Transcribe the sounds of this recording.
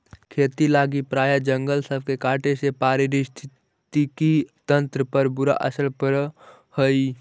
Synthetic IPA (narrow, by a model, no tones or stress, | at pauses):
kʰeːt̪ilaːɡipɾaːjad͡ʒəŋɡəlsəb̚ʱkekaːʈesepaːɾiɾist̪ʰ | t̪ikit̪ə̃nt̪ɾəpəɾbʊɾa̰ʔə̰səlpəɾ | həi